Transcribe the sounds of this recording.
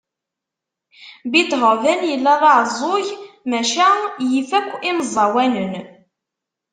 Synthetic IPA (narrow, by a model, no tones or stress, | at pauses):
bit̪ːɦəvænjəlːæðˤɑʕzˤojmæʃæjifækʷːiməzˤːɑwænən